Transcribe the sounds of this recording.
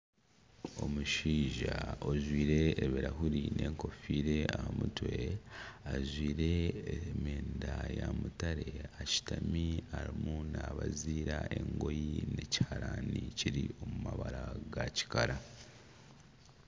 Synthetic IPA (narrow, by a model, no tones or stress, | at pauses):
o̞muʃiːʒaoʒwiːɾe̞ːβeɾaɦuɾinʔe̞ːŋko̞fiːɾe̞ahamutwe̞aʒwiːɾe̞meːndajamutaɾe̞aci̥tamiaɾimunaβaziːɾaʔe̞ŋɡo̞jine̞ci̥haɾaːniciɾio̞mumaβaɾaɡaci̥kaɾa